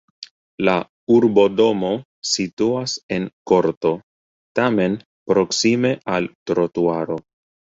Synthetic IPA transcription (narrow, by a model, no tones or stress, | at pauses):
la | uɾbo̞do̞mo̞ | situase̞nko̞ɾto̞ | tame̞n | pɾo̞ksime̞altɾo̞tuaɾo̞